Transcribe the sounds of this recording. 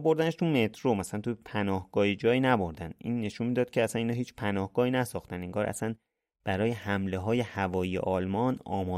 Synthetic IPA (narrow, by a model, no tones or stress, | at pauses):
bo̞ɾd̪æneʃt̪ʰume̞t̪ʰɾomæsælænt̪ʰupʰænɒːhɡ̥ɒːhid͡ʒɒːjiːnæbo̞ɾd̪ænd̪ʔḭːnːe̞ʃunmid̪ɒːd̪̚cʰeæsæniːnɒːɦiːt͡ʃʰpʰænɒːhɡ̥ɒːhiːnæsɒːxt̪æniŋɡɒːɾʔæ̰sæn | b̥æɾɒːje̞hæmle̞ɦɒːje̞hævɒːjijḛʔɒːlmɒːnɒːmɒː